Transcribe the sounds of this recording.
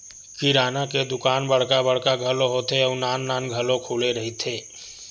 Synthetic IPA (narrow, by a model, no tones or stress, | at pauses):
kiɾaːnaked̪ʊkaːnbəɽ̤kabəɽ̤kaɡʱəloɦoːt̪eɔːnaːnːaːnɡʱəlõkʰuːleɾəɦit̪ʰeː